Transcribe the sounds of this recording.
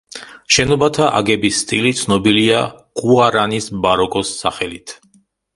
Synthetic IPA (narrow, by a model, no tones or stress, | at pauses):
ʃɛnɔbat̪ʰaʔa̰ɡɛbisːt̪ʼilit̪sʰnɔbiliaɡʼuaɾanisbaɾɔkʼɔsːa̰χɛlit̪ʰ